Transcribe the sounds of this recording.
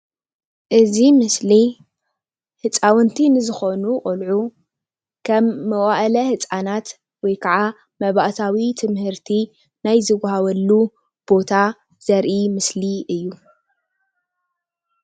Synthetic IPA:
ʔɨzimɨsli | hɨt͡sʼawɨnt̪ʰinɨzɨxonuχʼɨlʕu | kʰɐmːɐwʼaʔlɐhɨt͡sʼanat̪ | wɔjkʰaʕa | mɐβaʔt̪ʰawit̪ʰɨmhɨɾt̪ʰi | najzɨɡʷahaβɐlːu | b̥o̞t̪ʰa | z̥ɐɾʔimɨsliɨjːu

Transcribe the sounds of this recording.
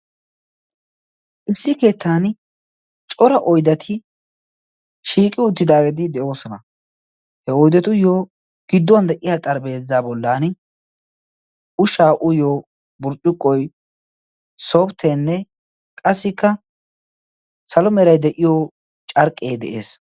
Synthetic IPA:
ʔɪsːɪke̞ːt̪ʰːan | t͡ʃʼɔɾɐʔɔjd̪ɐt̪ʰɪ | ʃiːkʼɪʊt̪ːɪd̪aːɡɛd̪ɪd̪ɛʔo̞ːsɔnɐ | hɛɔjd̪ɛt̪ʊjoː | ɡ̥ɪd̪ːwnd̪ɛʔɪjat̪ʼɐɾbe̞ːzːaːbɔlːaːn | ʊʃaːʔʊjoː | bʊɾt͡ʃʼːɪkʼːɔj | soːbt̪ʰenːɛ | kʼɐsːɪkːɐ | sɐlɔmɛɾɐjd̪ɛʔɪjoː | t͡ʃʼɐɾkʼːeːd̪ɛ̰ʔe̞̰ːs

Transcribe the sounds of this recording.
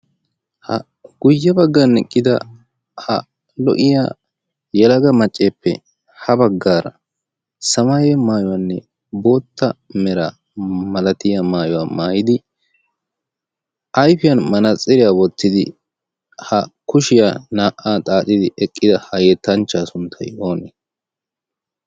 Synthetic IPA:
hɐ̰ | ɡ̥ʊjːɐbɐɡːanɛkʼːɪd̪ɐ̰ | hɐ | lɔ̰ʔɪja̰ː | jɛlɐɡɐmɐt͡ʃʼːeːpːɛ̰ | hɐbɐɡːaːɾɐ̰ | sɐmajɛmaːjɔwanːɛ | bo̞ːt̪ːɐmɛɾaː | mɐlɐt̪ɪjɐmaːjɔwamaːjɪd̪ɪ | ʔɐjfɪjɐnmɐnɐt͡sʼːɪɾɪjaːwɔt̪ːɪd̪ɪ̰ | hɐkʊʃɪjaːnaːʔaːt̪ʼaːt͡ʃʼɪd̪ɪʔɛkʼːɪd̪ɐhɐjɛt̪ːɐnt͡ʃːaːsʊnt̪ʰɐjo̞ːnɛ

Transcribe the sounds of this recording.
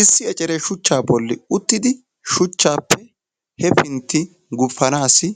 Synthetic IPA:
ɪsːɪɛt͡ʃʼɛɾɛʃʊt͡ʃːaːbɔlːɪʊt̪ːɪd̪ɪ | ʃʊt͡ʃːaːpːɛ | hɛpɪnt̪ːɪ | ɡʊfːɐnaːsɪ

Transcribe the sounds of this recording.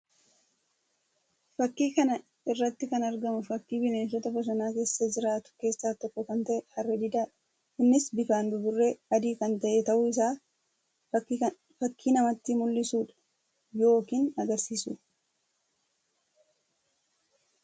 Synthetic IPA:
fɐkːiːkɐnɐ | ɪrːɐt̪ːɪkɐnɐɾɡɐmʊfɐkːiːbɪneːns̬ɔt̪ɐbɐs̬ɐnaːke̞ːsːɐd͡ʒɪɾaːt̪ʊ̥ke̞ːsːaːt̪ɔkːɔkɐnt̪ɐʔɛhɐrːɛd̪ɪd̪aːᶑɐ | ɪnːɪsbɪfaːnd̪ʊbʊrːeɐd̪iːkɐnt̪ɐʔɛt̪ɐʔʊɪs̬aː | fɐkːiːnɐmɐt̪ːɪmʊlːɪsuːᶑɐ̥ | jo̞ːkiːnɐɡɐɾsiːsṵː

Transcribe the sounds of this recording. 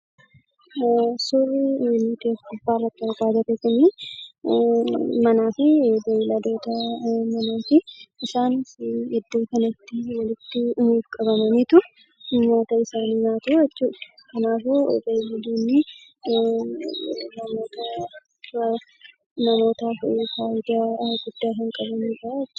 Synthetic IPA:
sʊrɪnɪt̪eːfkʊbːaːrːɐt̪ːɪɐɾbaːd̪ɐt̪eːkɐniː | mɐnaːfɪbejɪlɐd̪o̞ːt̪ɐmɐnoːfɪʔɪsaːnshɛd̪ːoːkɐnɐt̪ːɪwɐlɪt̪ːɪʊmuːfkʼɐbɐmɐniːt̪ʊ | ʊmːoːt̪ɐɪsaːninaːt̪uːɛt͡ʃːuːd̪ɐ̥kɐnaːfo̰b̪elɪd̪uːnːɪ | nɐmo̞ːt̪ʰɐ | nɐmo̞ːt̪aːfɪfaːʔɪd̪aɡʊd̪̥ːaːɦɪŋkʼɐbɐmuːt͡ʃʼat͡ʃː

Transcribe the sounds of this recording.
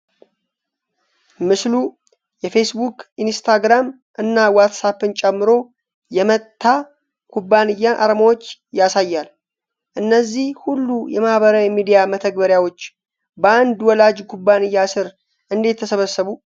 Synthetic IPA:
mɨslu | jɛfe̞sbukʰʔinst̪ʰaɡɾam | ʔɨnːawat̪sapɨnt͡ʃʼɛmːɨɾo̞ | jɛmət̪ʰːa | kʰubːanɨjːaʔa̰ɾmawo̞t͡ʃːjasajːal | ʔɨnːəzːihhulːujɛmahβəɾawimid̪ijamət̪ʰəɡbəɾjawo̞t͡ʃː | bəand̪wɔlad͡ʒkʰubːanɨjːasɨɾ | ʔɨnd̪e̞t̪ʰːəsəβəsːəβu

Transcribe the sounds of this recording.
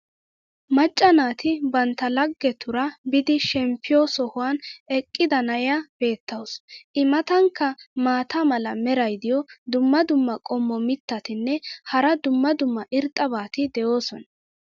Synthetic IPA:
mɐt͡ʃʼːɐnaːt̪ɪbɐnt̪ːɐlɐɡːɛt̪ʰʊɾɐbɪd̪ɪʃɛmpʰːɪjɔsɔhʊwaːnɛkʼːɪd̪ɐnɐjab̥e̞ːt̪ːɐwsʔɪmɐt̪ɐŋkːɐmaːt̪amɐlɐmɛɾɐjd̪ɪjɔd̪ʊmːɐd̪ʊmːɐkʼɔmːɔmɪt̪ːɐt̪ɪnːɛhɐɾɐd̪ʊmːɐd̪ʊmːɐʔɪɾt̪ʼːɐbaːt̪ɪd̪ɛjo̞ːsɔnɐ

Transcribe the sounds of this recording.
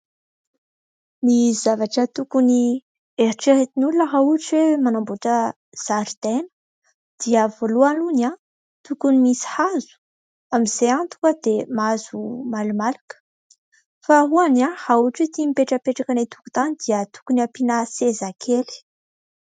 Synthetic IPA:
nizavaʈ͡ʂət̪ukuni | eɾiʈ͡ʂeɾet̪inulunəɦauʈ͡ʂwemanambuʈ͡ʂə | z̥aɾid̪̥enə̥ | d̪̥iəvoluanuna | t̪ukunimisi̥hazu̥ | amizeant̪u̥kəd̪emazumalumalukə̥ | faɦuanahauʈ͡ʂet̪imipeʈ͡ʂəpeʈ͡ʂakanet̪u̥ku̥t̪anid̪iət̪u̥kuniapinasezakʰeli̥

